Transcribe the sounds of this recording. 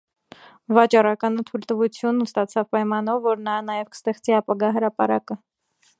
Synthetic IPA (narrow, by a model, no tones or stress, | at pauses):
vɑt͡ʃɑrɑkɑnət̪ʰujlt̪əvut͡sʰjunːust̪ɑt͡sʰɑvpɑjmɑnɔvːɔɾnɑnɑjɛvkʰə̥st̪ɛχt͡siɑpɑɡɑɦəɾɑpɑɾɑkə